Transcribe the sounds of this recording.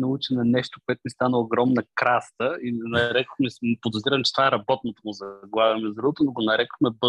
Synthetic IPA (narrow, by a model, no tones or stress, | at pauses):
nɐut͡ʃɛnɐnɛʃt̪okoɛt̪oʊmist̪anəːɡɾɔmnɐkɾast̪əinɐɾɛko̥xmispod̪ozɾiɾɐmt͡ʃɛ̥t̪ovaɛɾɐbɔt̪not̪omʊzɐɡˠavʲɐmɛzd̪ɾuot̪onoɡonɐɾɛkoxmɛbɤ